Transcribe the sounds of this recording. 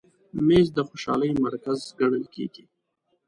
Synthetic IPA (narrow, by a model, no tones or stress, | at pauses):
mezd̪əxoʃɑ̰ləjmaɾkazɡaɳəlkḛɡi